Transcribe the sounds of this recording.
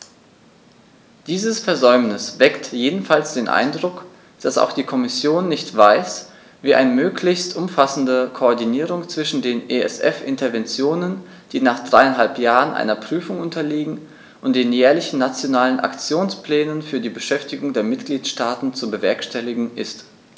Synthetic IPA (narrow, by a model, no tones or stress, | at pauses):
d̥iːzəsfɛɐzɔʏmnɪsv̥ɛktjeːdn̩falsd̥eːnʔa̰ɪndʁʊk | d̥asa̰ʊxd̥iːkʰɔmɪsjoːnːɪçtv̥aɪs | viːʔa̰ɪnəmøːklɪçstʔʊmfasn̩dəkʰoɔɐdiniːʁʊŋt͡sv̥ɪʃn̩deːnʔeɛ̰sʔɛfʔɪntɐvɛnt͡sjoːnən | d̥iːnaːχd̥ʁaɪanɦalpjaːʁənʔa̰ɪnɐpʁ̥yːfʊŋʔʊntɐliːɡŋ̩ | ʔʊnt̚d̥eːnjɛːɐlɪçn̩ːat͡sjonaːlənʔa̰kt͡sjoːnspl̥ɛːnənfyːɐdiːbəʃɛftɪɡʊŋdeːɐmɪtɡ̥liːtʃtaːtn̩t͡subəvɛɐkʃtɛlɪɡŋ̩ʔɪst